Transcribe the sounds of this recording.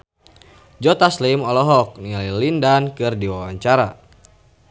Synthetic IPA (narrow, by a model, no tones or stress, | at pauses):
d͡ʒɔt̪aslimɔlɔɦɔk̚nililindankɨrdiwawaɲt͡ʃaɾa